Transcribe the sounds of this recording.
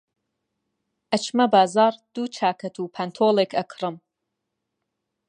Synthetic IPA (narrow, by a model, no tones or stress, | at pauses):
ʔɐt͡ʃmɐbaːzɑːɾd̪̥uːt͡ʃʰaːkʰɐt̪ʰuːpʰɐnt̪ʰoːlˠeːkɐkʰɾɨm